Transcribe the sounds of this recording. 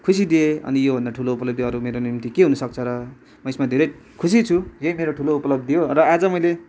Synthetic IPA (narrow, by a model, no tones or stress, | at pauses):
kʰus̬id̪ieʌ̰nijobʱʌ̃nd̪aʈʰuloupʌlʌb̚d̪ijʌɾumeɾonimt̪ikeɦunʌsʌk̚t͡sʰʌɾʌ | mʌesmad̪ʱeɾʌj | kʰusit͡sʰujʌjmeɾoʈʰuloupʌlʌb̚d̪ijorʌad͡zʌmʌjle